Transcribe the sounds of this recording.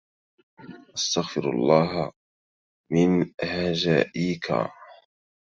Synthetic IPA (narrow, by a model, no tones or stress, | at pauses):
ʔast̪aɣfɪɾɑ̰lˤːɑːɦa | mɪnhad͡ʒaːʔiːka̰